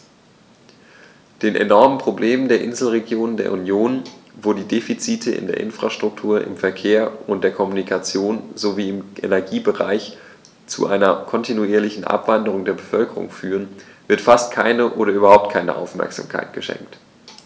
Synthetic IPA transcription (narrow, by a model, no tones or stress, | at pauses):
d̥eːnʔḛnɔɐmənpʁ̥obleːməndeːɐʔɪnzl̩ʁeɡjoːnəndeːɐunjoːnvoːdiːdefit͡siːtʰəʔɪ̰ndḛːɐʔɪ̰nfʁ̥aʃtʁ̥ʊk̚tʰuːɐʔɪ̰mfɛɐkʰeːɐʊnt̚d̥eːɐkʰɔmunikʰat͡sjoːnzoviːɪmʔḛnɛɐɡiːbəʁa̰ɪç | t͡sṵʔaɪnɐkʰɔntʰinuiːɐlɪçn̩ʔa̰pv̥andəʁ̞ʊŋdeːɐbəfœlkəʁʊ̰ŋfyːʁ̞ənvɪɐtfastkʰaɪnəʔoːɾɐʔyːbɐhaʊp̚t̚kʰaɪnə̰ʔa̰ʊfmɛ̰ɐkz̥a̰ːmkʰa̰ɪt̚ɡ̥əʃɛ̰ŋk̚t